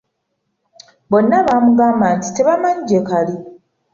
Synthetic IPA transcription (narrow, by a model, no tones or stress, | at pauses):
bo̞nːaβaːmuɡaːmbaːnti̥te̞βamaɲiɟe̞kali